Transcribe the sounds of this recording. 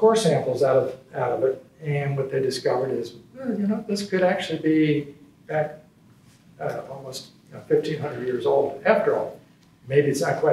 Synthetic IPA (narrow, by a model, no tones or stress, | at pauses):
kɔɹsæ̃mpl̩ˠzaʊɾʌvaʊɾʌvɪɾɨ̃nwʌt̪̚ðeɪdɨskʌvə˞ɾɪzjɨnoʊðɪskʰɨɾæk̚t͡ʃʉl̩ˠibi | b̥æk | aɾʌvɔlˠmoʊst̚jɨnoʊfɪftʰĩnɦʌ̃ndɹɨdjɪɹzoʊlˠdæftə˞ɔ̰lˠ | meɪbiɨsaɪkʰw̥aɪ